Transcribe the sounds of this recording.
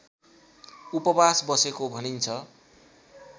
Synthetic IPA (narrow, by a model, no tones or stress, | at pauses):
upʌbasbʌsekobʱʌnint͡sʰʌ